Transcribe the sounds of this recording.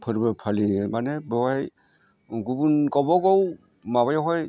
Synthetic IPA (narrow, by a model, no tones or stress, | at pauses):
pʰɔɾibapʰalimanɛbɔɡaj | ɡubunkɔbɔɡɔw | maβajɔɦɔj